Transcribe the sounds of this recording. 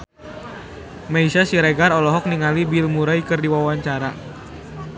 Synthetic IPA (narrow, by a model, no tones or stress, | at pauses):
maisasiɾeɡaɾɔlɔɦɔk̚niŋalibilmuɾaikɨrdiwawaɲt͡ʃaɾa